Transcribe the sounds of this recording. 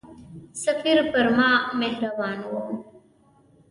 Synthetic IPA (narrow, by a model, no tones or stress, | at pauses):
sɐfiɾpəɾmãːmeɦɾɐbaːnwo